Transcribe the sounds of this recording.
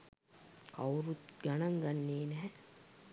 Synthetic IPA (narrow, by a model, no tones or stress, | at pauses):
ka̰wɾut̪ɡanaŋɡanːeːnɛɦɛ